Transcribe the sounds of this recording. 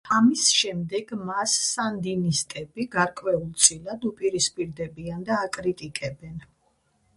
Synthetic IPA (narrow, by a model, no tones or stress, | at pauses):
amisʃɛmd̪ɛɡmasːand̪inist̪ʼɛbiɡaɾkʼwɛulˠt̪sʼilad̪upʼiɾispʼiɾd̪ɛbiand̪aːkʼɾit̪ʼikʼɛbɛn